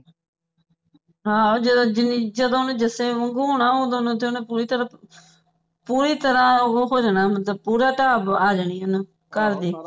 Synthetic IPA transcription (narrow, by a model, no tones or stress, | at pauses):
ɦaːoːd͡ʒd̪d͡ʒɪniːd͡ʒəd̪õːʊnːd͡ʒəseːʋəŋɡuːɦoːnaːoːd̪õnõːt̪̬eʊnepuːɾiːt̪əɾãː | puːɾiːt̪əɾãːoːɦoːd͡ʒnaːmət̪ləb̚puːɾaːʈaːbaːd͡ʒəɳiːʊnː | kəɾd̪iː